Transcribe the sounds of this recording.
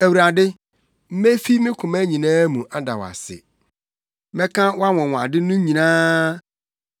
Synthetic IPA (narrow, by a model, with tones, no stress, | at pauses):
æ˨wu˨ɾa˨dɪ˦ | m̩˦me˦fi˦mɪ̃˦kʰʊ̃˨mæ˦ɲĩ˨nãː˦mũ˨ʔa˦da̰˨wa̰˨sɪ̰˨˦ | mɛ̃˦kʰã˦wa˦wɔ̃˨w̃a˨dɪ˦nũ˦ɲĩ˨nãː˦